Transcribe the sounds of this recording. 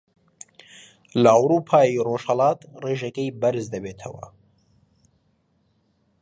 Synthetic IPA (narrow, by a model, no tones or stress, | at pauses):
lɐɐwɾuːpʰaːjiroːʃhɐlɑːt̪reːʒɐkejbɐɾɨzd̪ɐbeːt̪ʰɐ̰wɐ̰